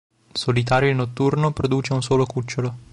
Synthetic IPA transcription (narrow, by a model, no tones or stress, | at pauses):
solit̪aːɾjoinot̪ːurnopɾod̪uːt͡ʃeunsoːlokut͡ʃːolo